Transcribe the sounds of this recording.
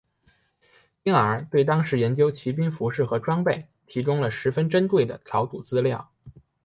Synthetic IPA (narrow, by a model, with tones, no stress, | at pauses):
i˥ŋə˧˥t̪we˥˩ɪt̪ɑ˥ŋʂɻ̩˧˥jɛ˧˥nt͡ɕjo˥ʊt͡ɕʰi˧˥p̬i˥nfu˧˥ʂɻ̩˥˩xɤ˧˥ʈ͡ʂwɑ˥ŋpe˥˩ɪ | t̪ʰi˧˥ʈ͡ʂʊ˥ŋlə˨ʂɻ̩˧˥fə˥nʈ͡ʂə˥nt̪we˥˩ɪd̪ə˩t͡sʰɑ˧˥ʊt̪u˨˩t͡sɹ̩˥ljɑ˥˩ʊ